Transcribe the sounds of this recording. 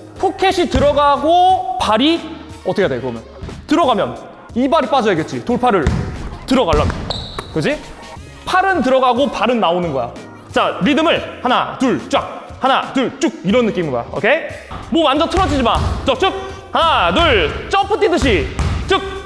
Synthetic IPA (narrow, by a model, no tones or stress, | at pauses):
pʰokʰeɕʰitɯɾʌɡaɡopaɾiʌt͈ʰʌkʰedekɯɡʌmjʌntɯɾʌɡamjʌ̰n | ibaɾip͈ad͡ʑʌjaɡe̞t̚t͡ɕ͈itoɭpʰaɾɯɭtɯɾʌɡaɭːamjʌnkɯd͡ʑi | pʰaɾɯntɯɾʌɡaɡopaɾɯnːaonɯnɡʌja̰ | t͡ɕaɾidɯmɯɭhana̰tuɭt͡ɕ͈ak̚ | hanatuɭt͡ɕ͈uk̚iɾʌnːɯk͈imɯnɡʌ̰jo̰kʰe̞mʌmand͡ʑʌtʰɯɾʌd͡ʑid͡ʑimat͡ɕʌt͡ɕɯk̚ | hananuɭt͡ɕ͈ʌpʰɯtʰidɯɕʰit͡ɕɯk̚